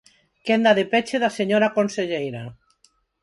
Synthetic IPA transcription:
kend̪aðepet͡ʃeðaseɲoɾakonseʎejɾa

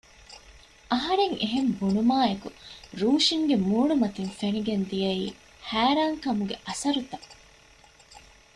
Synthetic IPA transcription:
ʔɐɦɐɾeŋeɦembunumaːekuɾuːʃiŋɡemuːɳumɐt̪infeniɡend̪ijɐiː | hæːɾaːŋkɐmuɡeʔɐsɐɾut̪ɐ

